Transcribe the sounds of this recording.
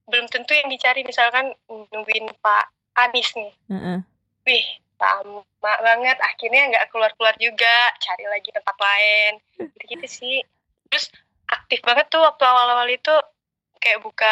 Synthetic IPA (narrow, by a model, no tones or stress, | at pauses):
bəlʊmt̪ənt̪ujaŋdit͡ʃaɾimisalkannuŋɡuɪnpaː | nɪsnɪh̩ | wɪht̪a̰m | babaŋət̪akirɲaŋɡaʔkəluarkəluard͡ʒuɡat͡ʃaɾilaɡit̪əp̪aklaɛn | ɡdikit̪usɪh | t̪ɾʊs | ʔak̚t̪ɪfbaŋət̪ːʊhwak̚t̪uawalawalit̪u | kajaʔbuka